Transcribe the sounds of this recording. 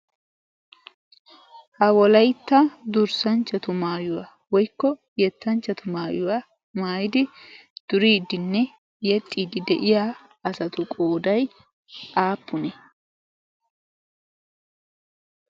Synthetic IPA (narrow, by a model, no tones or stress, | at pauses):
hɐwɔlɐjt̪ːɐd̪ʊɾsɐnt͡ʃːɐt̪ʊmaːjʊwa | wɔjkːɔ | jɛt̪ːɐnt͡ʃːɐt̪ʊmaːjʊwa | maːjɪd̪ɪ | d̪̥ʊɾiːd̪ːɪnːɛ | jɛt̪ʼːiːd̪ɪd̪ɛ̰ʔɪja | ɐsɐt̪ʊkʼoːd̪ɐj | ʔaːpːʊnɛ